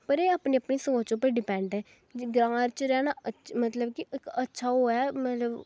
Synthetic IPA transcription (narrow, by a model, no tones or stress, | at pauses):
pəɾeːaːpniːəpniːsəoːt͡ʃoːpəɾɖɪpɛ̃ːɳɖɛː | d͡ʒɡɾãːɾt͡ʃəɾɛːnaːəmət̪ləbkiɪkətːʃʰaːɦoːaːmət̪ləb